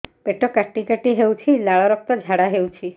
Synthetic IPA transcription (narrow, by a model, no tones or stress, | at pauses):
peʈɔkaʈːikaʈiɦewt͡ʃʰilaɭɔɾɔk̚t̪ɔd͡ʒʱaɽaɦewt͡ʃʰi